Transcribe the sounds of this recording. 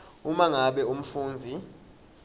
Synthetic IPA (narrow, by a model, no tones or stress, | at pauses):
umaŋaɓɛum̩fuːnd͡zʱi